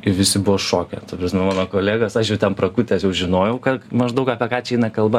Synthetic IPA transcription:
ɪʋʲɪsʲɪbʊʋoʃoːkʲɛ̰t̪ɐpɾɐsʲmʲɛmɑːnoːkoːlʲæːɡɐsɐʃjɛʊt̪ʲɛnpɾɐkʊt̪ʲɛsjɛʊʒʲɪnoːjɛʊkɐmɐʒd̪ɐʊkɑːpʲɛkɑːt͡ʃʲɛɛɪnɐkɐlˠbɐ

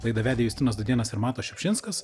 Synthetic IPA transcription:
lˠɐɪd̪ɐʋʲæːd̪ʲɛjuːsʲt̪ʲɪnoːsd̪ʊd̪ʲiɛnɐsɪɾmɑːt̪oːʃʲɛpʲʃʲɪnskɐs

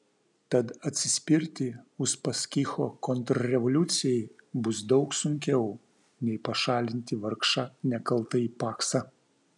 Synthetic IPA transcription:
t̪ɐt̪ɐt̪ʲsʲɪsʲpʲɪɾʲt̪ʲɪʊspɐsʲkʲixɔkɔnt̪ɾɐɾʲɛʋɔlʲʊt̪sʲɪjɛjbʊsd̪ɒʊksʊŋʲkʲɛʊ | nʲɛɪpɐʃɑːlʲɪnʲt̪ʲɪʋɐɾkʃɑnʲɛkɐlˠt̪ɐipɑːksɐ

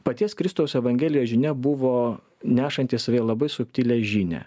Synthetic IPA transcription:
pɐt̪ʲiɛskɾʲɪst̪ɐʊsɛʋɐŋʲɡʲɛːlʲɪjoːʒʲɪnʲɛbʊʋoː | nʲæːʃɐnʲt̪ʲɪːsɐʋʲelˠɐbɐɪsʊkʲt̪ʲiːlʲɛʒʲiːnʲɛ̰ː

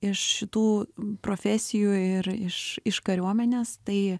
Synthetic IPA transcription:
ɪʃʃʲɪt̪uːpɾoːfʲɛsʲɪjuːɪɾɪʃɪʃkɐɾʲuɔmʲɛnʲeːst̪ɐɪ

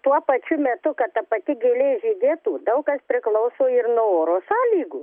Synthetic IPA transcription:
t̪uɔpɐt͡ʃʲʊmʲɛt̪ʊkɐtt̪ɐpɐt̪ʲɪɡʲeːlʲeʒʲɪd̪ʲeːt̪uːd̪ɐʊkɐspʲɾʲɪklˠɐʊsoːɪrnoːoːɾoːsɑːlʲiːɡuː

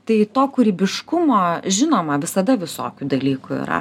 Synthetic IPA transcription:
t̪ɐɪt̪oːkʊɾʲiːbʲɪʃkʊmoːʒʲɪnoːmɐʋʲɪsɐd̪ɐʋʲɪso̰ːkʲud̪ɐlʲiːkʊḭɾɐ̰

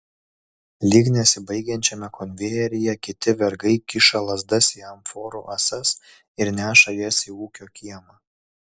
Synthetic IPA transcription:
lʲiːɡnʲesʲɪbɐɪɡʲɛnʲt͡ʃʲɛmʲɛkɔnʲʋʲeːɛɾʲɪjɛkʲɪt̪ʲɪʋʲɛɾɡɐɪkʲɪʃɐlˠɐzd̪ɐsʲiɐmfoːɾṵʔɐsɐs | ɪɾnʲæːʃɐjɛsʲiuːkʲoːkʲiɛmɐ

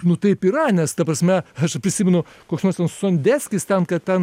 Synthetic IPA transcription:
nʊt̪ɐɪpiːɾɐnʲɛst̪ɐpɾɐsʲmʲɛɐʃpʲɾʲɪsʲiːmʲɛnʊ | koːksnoːrst̪ʲɛnssonʲd̪ʲæːsʲkʲɪst̪ʲɛnkɐttʲɛn

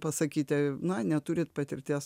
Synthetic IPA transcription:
pɐsɐkʲiːt̪ʲɛnɐnʲɛt̪uːɾʲɪt̪pɐt̪ʲɪrʲt̪ʲeːs

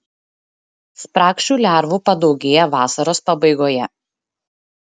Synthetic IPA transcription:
spɾɑːkʃʲt͡ʃʲuːlʲæˑɾʋupɐd̪ɒʊɡʲeːjɛʋɑːsɐɾoːspɐbɐɪɡoːjɛ

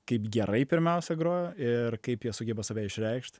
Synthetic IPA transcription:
kɐɪpɡʲɛɾɐɪpʲɪɾʲmʲɛʊsʲɛɡɾoːjoɪrkɐɪpjiɛsʊɡʲɛbɐsɐʋʲɛːɪʃʲɾʲɛɪkʃt̪ʲ

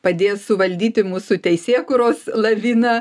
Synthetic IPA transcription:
pɐd̪ʲeːssʊʋɐlʲd̪ʲiːt̪ʲɪmuːsʊt̪ʲɛɪsʲeːkʊːɾoːslˠɐʋʲiːnɐ

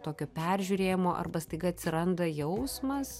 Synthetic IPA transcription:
t̪oːkʲoːpʲɛɾʲʒʲuɾʲeːjɪmoːʔɐ̰rbɐst̪ɐɪɡɐɐt̪ʲsʲɪɾɐnd̪ɐjɛʊsmɐs

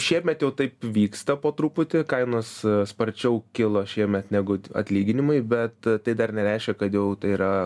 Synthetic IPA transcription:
ʃʲiɛmʲɛt̪jɛʊt̪ɐɪpʋʲiːkst̪ɐpoːt̪ɾuːpʊt̪ʲɪkɐɪnoːsspɐɾʲt͡ʃʲɛʊkʲɪlˠoːʃʲiɛmʲɛt̪nʲæːɡʊɐ̰t̪ʲlʲiːɡʲɪnʲɪmɐɪbʲɛt̪t̪ɐɪd̪ɐrnʲɛɾʲæɪʃʲkʲɛkɐt̪jɛʊt̪ɐɪiɾɐ

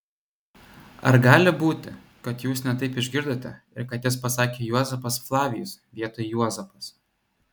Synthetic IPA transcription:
ɐ̰ɾɡɑːlʲɪbuːt̪ʲɪ̰ | kɐt̪juːsnʲɛt̪ɐɪpɪʒʲɡʲɪɾd̪oːt̪ʲɛ̰ | ɪ̰ɾkɐt̪jɪspɐsɑːkʲeːjuɔzʲɛfɐsflˠɑːʋʲɪjʊsʋʲiɛt̪oːjɪjuɔzʲɛfɐs

